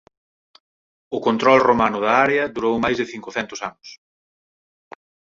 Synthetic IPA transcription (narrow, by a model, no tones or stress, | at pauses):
ʊkont̪ɾɔlromanʊðɐaɾeɐðuɾowmajzðɪθiŋkʊθɛnt̪ʊsanʊs